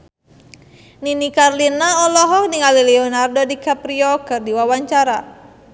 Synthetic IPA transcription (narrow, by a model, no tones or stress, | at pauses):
ninikarlinaɔlɔɦɔkniŋalilɛɔnardɔdikapɾiɔkɨrdiwawaɲt͡ʃaɾa